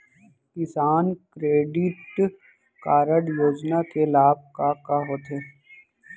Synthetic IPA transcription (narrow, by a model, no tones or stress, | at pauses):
kɪsaːnkɾeːɖɪʈ | kaːɾəɽjoːd͡ʒnakelaːb̚kakaɦoːt̪ɦeː